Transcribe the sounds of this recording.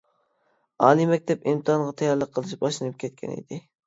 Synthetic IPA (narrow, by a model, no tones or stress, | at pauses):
ɑːnɨmɛk̚ʲt̪ʰɛpimt̪ʰɨɦɑɴʁɑt̪ʰɑjɑɾlˠəqʰːəlˠɨʃbɑʃlˠɨnɨp̚kʲʰɛt̪̚kʲʰɛ̰nḭd̪̥ɪ